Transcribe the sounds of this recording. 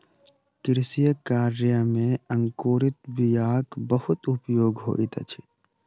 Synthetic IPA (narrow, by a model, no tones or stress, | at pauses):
kɪɾɪsijəkaːɾjəmẽɐŋkoːɾɪt̪̚bɪjaːkbɐhʊt̪ʊpjoːɡɦo̰ːʔit̪ɐ̰t͡ʃʰi̥